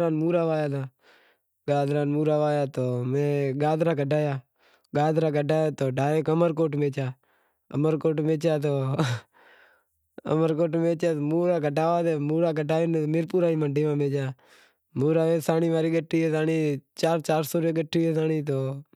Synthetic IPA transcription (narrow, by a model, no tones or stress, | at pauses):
ɾaːnmuːɾaːʋaːjaːd̪aː | ɡaːd̪ɾaːnmuːɾaːʋaːjaːt̪oːmẽːɡaːd̪ɾaːkəɖaːjaː | ɡaːd̪ɾaːkəɖaːjaːt̪oːɖʱaːeːkəməɾkoːʈmẽːt͡ʃaː | ə̰məɾkoːʈmeːt͡ʃaːt̪̬oː | ə̰məɾk̬oːʈmẽːt͡ʃjaːt̪omuːɾaːkəʈaːʋaːd̪eːmuːɾaːkəʈaːjɪnmɪɾpuːɾaːiːməɳɖiːmãːmeːt͡ʃjaː | muːɾaːʋẽːsaːniːʋaːɾiːɡəʈʰːiːeːsaːniːt͡ʃaːɾt͡ʃaːɾsoːɾeːɡəʈʰːiːeːsaːniːt̪̬oː